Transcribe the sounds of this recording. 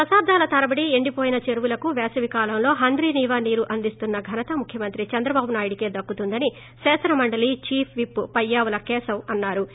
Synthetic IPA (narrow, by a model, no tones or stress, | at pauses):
t̪ɐsaːb̚d̪ʱaːlɐt̪ɐɾɐbɐɽieɳɖipo̞ːjinɐt͡ʃeɾuʋulɐkuʋɛːsɐʋikaːlɐmlo̞ːɦɐnd̪ɾiːniːʋaːniːɾuʔɐnd̪ist̪unːɐɡʱɐnɐt̪ɐmukʰjɐmɐnt̪ɾit͡ʃɐnd̪ɾɐbaːbunaːjuɽike̞ːd̪ɐkːut̪und̪ɐni | sɛːsɐnɐmɐɳɖɐlit͡ʃiːpʰʋipːɐjːaːʋɐlɐkɛːsɐmɐnːaːɾu